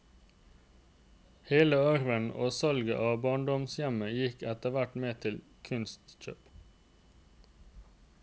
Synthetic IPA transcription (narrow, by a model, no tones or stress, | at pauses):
heːləœʁʋəno̰ːsɑlɡə̰ʔɑːbɑːɳɖɔmsjɛməjɪkɛt̪əʋæʈmeːt̪ʰɪl | kʰʉnst̪c͡çø̰ːp